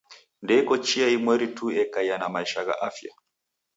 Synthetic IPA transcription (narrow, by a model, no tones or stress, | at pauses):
ndɛikɔt͡ʃiaimwɛɾituɛkaianamaiʃaɣa̰ʔafja̰